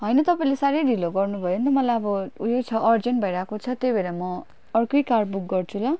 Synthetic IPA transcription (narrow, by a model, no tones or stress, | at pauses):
ɦʌjnʌt̪ʌpaĩlesaɾʌjɾiloɡʌrnubʱʌjont̪ʌmʌlajʌbʌujot͡sʰʌʔʌrd͡zenʈbʱʌiɾaːkot͡sʰʌt̪jebeɾamʌ | ʌrkʌjkarbuk̚ɡʌrt͡sʰulʌ